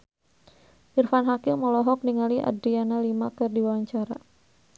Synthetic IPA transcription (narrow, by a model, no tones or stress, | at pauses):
ʔirfanɦakɪmməlɔɦɔk̚niŋaliʔa̰dɾianalimakɨrdiwawaɲt͡ʃaɾa̰